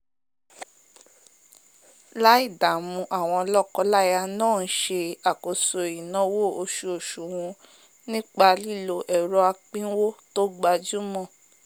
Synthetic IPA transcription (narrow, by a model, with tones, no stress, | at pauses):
la˦i˦˨da˨mũ˧ʔa˦˨w̃ɔ̃˧lɔ˦˨kɔ˧la˦˨ja˧nãː˦˨n̩˦ʃe˧a˨ko˨so˨i˨nɔ̃˨˦wo˦˨o˧ʃu˧o˨ʃu˨wũ˧ | nĩ˦k͡pa˧li˦˨lo˧˨ʔɛ˨ɾɔ˧˦a˧k͡pĩ˦wo˦to˦ɡ͡ba˧d͡ʒu˦mɔ̃˦˨